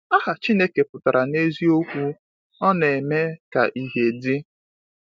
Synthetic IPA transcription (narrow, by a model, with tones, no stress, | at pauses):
a˦ɦa˨t͡ʃi˦ne˦ke˨pʊ˨ta˨ɾʔa˨ne˦zi˦o˦kʷu˦ | ɔ˦ne˨me˦ka̰˨ʔi˦ɦe˨dɪ˦